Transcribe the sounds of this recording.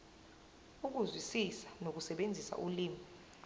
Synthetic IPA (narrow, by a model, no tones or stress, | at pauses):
uk̬uzwisisḁnok̬usɛɓend͡zʱisa̰ʔuliːmi